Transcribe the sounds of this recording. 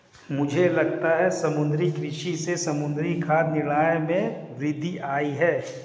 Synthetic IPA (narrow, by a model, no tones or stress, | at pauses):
mʊd͡ʒʱelɐɡt̪aɦɛsɐmʊ̃nd̪ɾikɾɪʃisesɐmʊ̃nd̪ɾikʰaːd̪nɪɽ̃aːjmẽʋɾɪd̪ʱːiʔaːiɦɛː